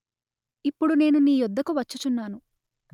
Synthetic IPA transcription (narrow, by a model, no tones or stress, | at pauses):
ipːuɽune̞ːnuniːjɔd̪ːɐkuʋɐt͡ʃːut͡ʃunːaːnu